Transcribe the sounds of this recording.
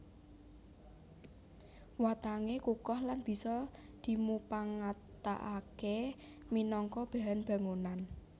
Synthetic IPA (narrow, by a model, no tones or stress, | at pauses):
wat̪aŋekukɔhlanb̥i̤sɔ | d̪̥i̤mupaŋat̪a̰ʔake | minɔŋkɔb̥a̤ɦanb̥ä̤ŋonan